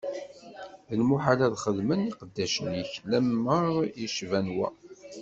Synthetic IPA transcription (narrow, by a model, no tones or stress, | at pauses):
ðəlmuħalæðχəðməniqəd̪ːæʃənjəçlæmːəʁjiʃvænwæ